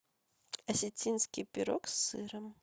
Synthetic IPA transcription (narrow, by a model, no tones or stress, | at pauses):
ɐsʲɛt͡sʲinskʲipʲiɾɔksːɨɾɐm